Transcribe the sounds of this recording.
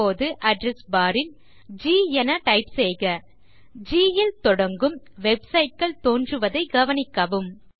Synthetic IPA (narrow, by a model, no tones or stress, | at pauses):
oːðɯʔɐɖɾɛsbaːɾɪn | d͡ʒiːɛnɐʈɐɪpseːɣɐ | d͡ʒiːjɪlt̪ɔɽɐŋɡɯm | ʋɛbsɐɪʈ̚kɐɭt̪oːndrɯʋɐðɐɪɡɐʋɐnɪkːɐʋɯm